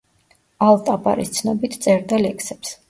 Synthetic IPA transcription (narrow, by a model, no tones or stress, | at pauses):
alˠt̪ʼapʼa̰ɾḭst̪sʰnɔbit̪ʰt̪sʼɛɾd̪alɛkʰsɛps